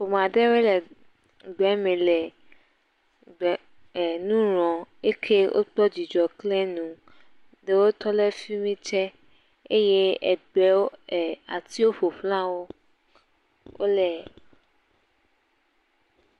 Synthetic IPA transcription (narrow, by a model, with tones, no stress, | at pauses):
ɸo˨m˨ã˨ɖe˦we˦lɛ˨ | ɡ͡bɛ˨˦mẽ˨lɛ˨ | ɡ͡b | nũ˦ɾ̃ɔ̃˨e˦kʰe˦wʔo̰˦k͡pɔ˦d͡ʑi˨d͡ʒɔ˨klɛ˦nũ˨ | de˦wo˦t̪ɔ˦le˦fi˦mĩ˦t͡ʃɛ˦ | e˦je˦ɛ̰˨ɖɛ˨˦wo˦ɛ˨a˨t̪i˦wo˦ɸo˨ɸlã˦wo˦ | wo̰˦lɛ˨